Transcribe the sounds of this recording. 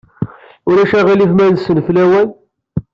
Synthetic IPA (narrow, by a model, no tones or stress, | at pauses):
ʊɾæʃæʁilivmænsənflæwæn